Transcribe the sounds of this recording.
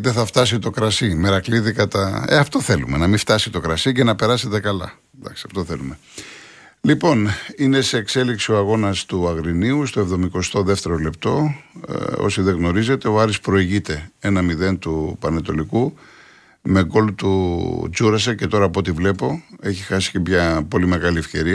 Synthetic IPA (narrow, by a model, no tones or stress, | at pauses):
ðeθɐft̪ɐs̬it̪o̞kɾɐsimeɾɐkliðikɐt̪ɐḛɐft̪o̞θe̞lume̞nɐmift̪ɐsit̪o̞kɾɐsice̞nɐpe̞ɾɐse̞t̪e̞kɐlɐ̰ | d̪ɐ̰ksiɐft̪o̞θe̞lume̞ | lipo̞nine̞se̞ːkse̞liksio̞ɐɣo̞nɐst̪uɐɣɾiniust̪oevðo̞miko̞st̪o̞ðeft̪e̞ɾo̞le̞p̚t̪o̞ | o̞̰siðeɣno̞ɾize̞t̪e̞o̞ɐɾispɾo̞iʝit̪e̞e̞nɐmiðe̞nt̪upɐnet̪o̞liku | me̞ɡo̞lut̪ud͡zuɾɐsece̞t̪o̞ɾɐːpo̞t̪ivle̞po̞e̞çixɐsi̥cemɲɐpo̞lime̞ɣɐlie̞fce̞ɾiɐ